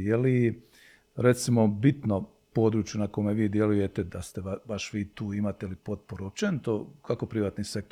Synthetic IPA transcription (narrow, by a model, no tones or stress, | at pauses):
jeli | ɾet̪simo̞bit̪no̞ | po̞ːd̪ɾuːt͡ʃjunakomeʋiːd̪je̞luje̞t̪ed̪ast̪eabaʃʋiːt̪uːimat̪eilipo̞t̪̚poɾuopt͡ʃent̪okʰakopɾiʋaːt̪nisek̚t̪